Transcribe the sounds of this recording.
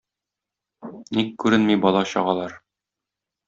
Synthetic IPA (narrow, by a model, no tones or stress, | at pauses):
nikːʉɾɘnmibɒlˠɑɕɑ̰ʁɑlˠɑɾ